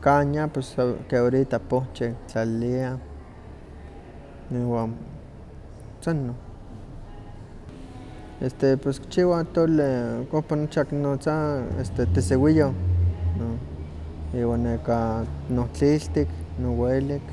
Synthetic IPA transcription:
kaɲapeskeoɾit̪apot͡ʃekt͡ɬallia | iwan | t͡sanːo | est̪epeskt͡ʃiwat̪olekopanot͡ʃaknot͡saḛst̪et̪esewijono | iwanːekanoht͡ɬiɬt̪iknowelik

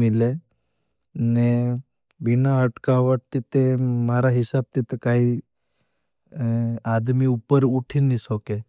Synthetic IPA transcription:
mile | ne | binaɦəʈkaʋəʈ̚t̪it̪emaɾaɦɪsab̚t̪it̪ekaĩ | ad̪miupəɾuʈʰinisɔke

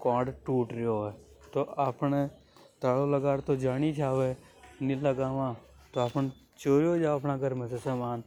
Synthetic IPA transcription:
kãːɖʈuːʈɾɪɦoɦɛt̪oːʔaːpne | t̪aːɽoləɡaːɾt̪od͡ʒaːñit͡ʃʰaːʋe | niləɡaːʋãː | t̪oapn | t͡ʃoːɾjoːd͡ʒaːɐːpnaɡəɾmẽsesaːmaːn

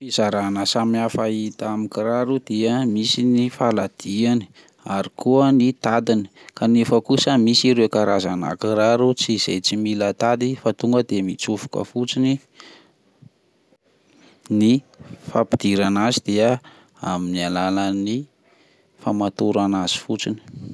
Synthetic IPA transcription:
fiz̥aɾanəsamiafait̪amikiraɾud̪eəmisinifalad̪̥iani̥ | aɾikuənit̪ad̪ini̥ | kanefəkusəmisiɾekaɾazana̰kiraɾut͡siːz̥a̰jt͡similət̪ad̪ifat̪uŋɡəd̪emit͡sufu̥kə̰fut͡sini | ni | fapi̥d̪̥iɾanazid̪̥eə | a̰minialalani | famat̪uɾanaz̥i̥fut͡sini̥

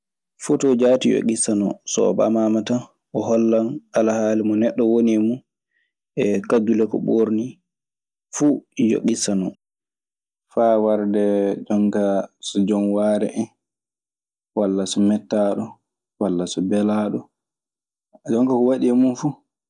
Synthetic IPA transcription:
futɔd͡ʒaːtijo̰ɡisanɔ̰sɔ̰ːba̰mamatan | ʔɔɦɔlːanalahaːlimɔnɛɗːɔwoniɛmun | ʔɛkadulɛkɔ̰ɓoɾni | fujo̰ɡisanɔ | fawaɾdɛd͡ʒɔŋkasɔd͡ʒɔnwaːɾɛ̰ʔɛn | walːasɔmɛtːaɗɔ | walːasɔbɛlaːɗɔ | d͡ʒɔŋkakɔwaɗiamunfu

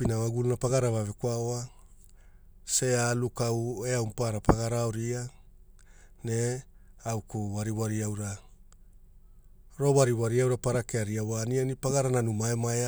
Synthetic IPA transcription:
pinawaɡulunapaɡaɾavavekwaoa | sealukaweawmpaɾapaɡaɾaoɾia | ne | awkuwaɾiwaɾiawɾa | ɾo̞waɾiwaɾiawɾapaɾakeaɾiawanianipaɡaɾananumaemaea

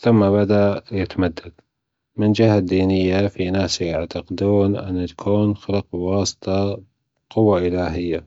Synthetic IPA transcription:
θʊmːaβad̪ajɪt̪amad̪ːad̪̥ | mɪnd͡ʒɪɦad̪ːiːnɪjːafinaːsjaʕt̪aqɪd̪uːnʔɪ̰nːat̪ḁkʰuːnxɪlq̚wɑːsˤt̪ˤɑ | qʊwːaʔɪlaːɦɪjːa

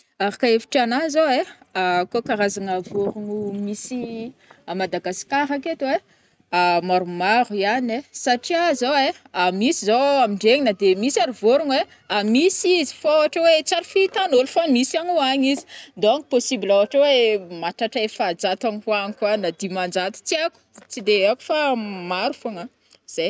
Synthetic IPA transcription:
aɾakaefi̥ʈ͡ʂanazoe | akokaɾazaŋavoɾuŋumisiamad̪aɡasi̥kaɾaket̪we | amaɾumaɾuianesaʈ͡ʂiazoe | amisizoamiɳɖ͡ʐeɲinəd̪emisaɾuvoɾuŋwe | amisizi̥faawaʈ͡ʂewet͡saɾufit̪anolfamisaɲuaɲizi̥nd̪oaŋiposibilawaʈ͡ʂewemaʈ͡ʂaʈ͡ʂaefad͡zat̪aŋiwaɲikwanad̪imand͡ʒat̪u̥t͡siaku̥t͡sid̪eaku̥famaɾufoŋa | z̥ej

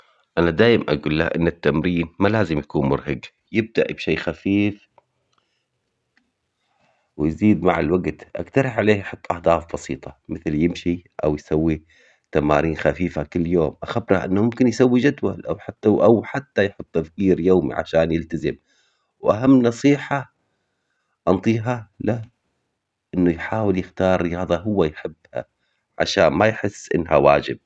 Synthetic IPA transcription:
ʔanad̪aːjɪmʔaɡuːlːahʔɪ̰nːat̪ːamɾiːnmalaːzɪmjakuːnmʊɾhaɡ | jɪb̚d̪aʔibʃeːxafiːf | wjziːd̪maʕɪlwaɡt̪ʔa̰kt̪ɑɾˤɪħʕaleːhʔħʊt̪ˤːʔahd̪ˤɑːfbɑsiːt̪ˤɑmɪθljɪmʃiʔa̰wjsawːi | t̪ama̰ːɾiːnxafiːfakɪlːjoːmʔaxabɾaʔɪnːamʊmkɪnjsawːid͡ʒad̪wa̰lʔawħaʔawħat̪ːajħʊt̪ˤːt̪afkiːɾjoːmḭʕa̰ʃaːnjɪlt̪azɪm | wʔaɦamːnɑsˤiːħa | ʔɑnt̪ˤiːɦala | ʔɪnːujħaːwɪljɪxt̪ɑːɾˤɪjɑːðˤɑɦʊwːajħɪbːha̰ | ʕa̰ʃaːnmajħɪsːʔɪ̰nːha̰wa̰ːd͡ʒɪb̚

